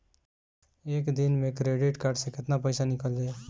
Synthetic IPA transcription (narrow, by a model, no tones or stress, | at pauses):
ekd̪inmekɾeɖiʈkaɾɖsẽkɪt̪napəjsanikəld̪e